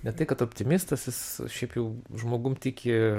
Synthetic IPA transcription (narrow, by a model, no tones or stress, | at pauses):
nʲɛt̪ɐɪkɐt̪oːpʲt̪ʲɪmʲɪst̪ɐsjɪsʃʲɛɪpjɛʊʒmoːɡʊmt̪ʲɪkʲɪ